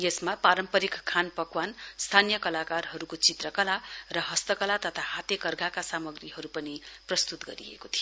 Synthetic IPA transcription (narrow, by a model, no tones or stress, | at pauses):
jesmapaɾʌmpʌɾikkʰːanpʌkwanst̪ʰanijʌkʌlakarɦʌɾukot͡sit̪rʌkʌlarʌɦʌst̪ʌkʌlat̪ʌt̪ʰahat̪jʌkʌrɡʱakasamʌɡriɦʌɾupʌniprʌst̪ut̪ɡʌ̰ɾḭḛkot̪ʰio